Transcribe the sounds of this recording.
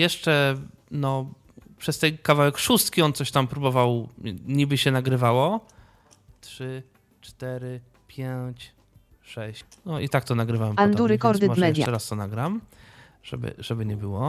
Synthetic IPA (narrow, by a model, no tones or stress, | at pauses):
jɛʂt͡ʂɛ | nɔ | pʂɛst̪ɛjkavawɛkʂust̪kʲiɔnt̪sɔɕt̪ampɾubɔvawɲibɘɕɛnaɡɾɘvawɔ | tʂɘ | t͡ʂt̪ɛɾɘ | pʲjeɲt͡ɕ | ʂɛɕ | nɔʔit̪ak̚t̪ɔnaɡɾɘvawɛmand̪uɾɘkɔɾd̪ɪbamɛɛja̰t͡ʂɛɾast̪ɔnaɡɾam | ʐ̥ɛ̰bɘ̰ʐɛbɘɲɛbɘwɔ